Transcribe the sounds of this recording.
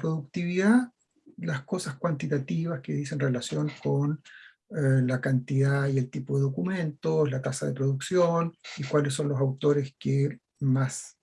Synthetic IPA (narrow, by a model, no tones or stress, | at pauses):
pɾoðuk̚t̪iβiða | lasko̞saskwant̪it̪at̪iβaskeðisenrelasjo̞ŋkon | lakant̪iðaie̞lt̪ipoðeðokumẽ̞nt̪oslat̪asaðepɾoðuksjonikwales̬ːo̞nlosawt̪o̞ɾeske | mas